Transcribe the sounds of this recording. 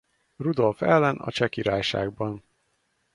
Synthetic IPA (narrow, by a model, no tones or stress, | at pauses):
rud̪o̞lfɛlːɛnɒ̰t͡ʃɛkiɾaːjʃa̰ːɡ̚bɒn